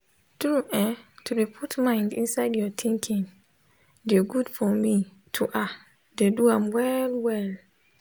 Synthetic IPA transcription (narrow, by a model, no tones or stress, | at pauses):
dũʔɛ̃tʰudepʰutmãɪ̃ndḭ̃nsaɪdjɔtʰĩŋkʰĩŋ | deɡudfɔmi | tʰuʔa | deduãmwɛlwɛl